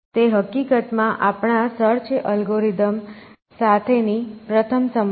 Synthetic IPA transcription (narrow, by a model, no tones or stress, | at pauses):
t̪eɦəkikət̪mãʔapɳ̃asəɾt͡ʃʔəlɡoɾid̪əm | sat̪ʰenipɾət̪ʰəmsəm